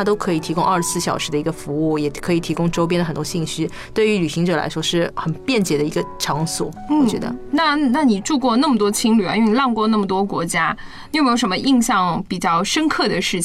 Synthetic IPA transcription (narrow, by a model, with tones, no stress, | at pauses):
a˥t̪o˥ʊkʰɤ˧˥i˨˩t̪ʰi˧˥kʊ˥ŋʔɐ˥˧˩ʂɻ̩˧˥sɹ̩˥˩ɕjɑ˨˩ʊʂɻ̩˧˥d̪ə˧i˧˥ɡə˧fu˧˥u˥˩jɛ˨˩kʰɤ˧˥i˨˩t̪ʰi˧˥kʊ˥ŋʈ͡ʂʊp̬jɛ˥nd̪ə˩xə˨˩nt̪wɔ˥ɕi˥˩ŋɕy˥ | t̪we˥˩ɪy˧˥ly˨˩ɕi˧˥ŋʈ͡ʂɤ˨˩la̰˧˥ɪʂwɔ˥ʂɻ̩˥˩xə˨˩npjɛ˥˩nt͡ɕjɛ˨˩d̪ə˦i˧˥ɡə˧ʈ͡ʂʰɑ˧˥ŋswɔ̰˨˩˦w̩ɔ˥˨˩t͡ɕt͡ɕɥɛ̰˧˥d̪ə̰˧na˥˩na˥˩ni˨˩ʈ͡ʂu˥˧kwɔ˥˧na˥˩mə˩t̪wɔ˥t͡ɕʰi˥ŋly˨˩a̰˧˥˧n˧lɑ˥˧ŋkwɔ˥˧na˥˩mə˨˩t̪wɔ˥kwɔ˧˥t͡ɕja˥˧ | me˥jʂə˧˥mə˧ʔi˥˧ŋɕjɑ˥˩ŋpi˨˩t͡ɕjɑ˥˩ʊʂə˥nkʰɤ˥˩d̪ə˩ʂɻ̩˥˩t͡ɕʰ